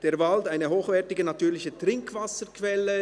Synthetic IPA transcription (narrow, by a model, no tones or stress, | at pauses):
d̥eːɐvaldaɪnəɦoːxvɛɐtɪɡənatyːlɪçətʁ̥ɪŋkv̥asəkʰv̥ɛlːə